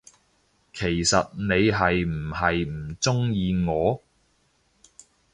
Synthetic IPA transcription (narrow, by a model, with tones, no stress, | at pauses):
kʰe˨˩jsɐ˨t̚ne˨˧jɦɐ˨jm̩˨˩hɐ˨jm̩˨˩t͡sʊ˥ŋjiː˨ŋɔː˨˧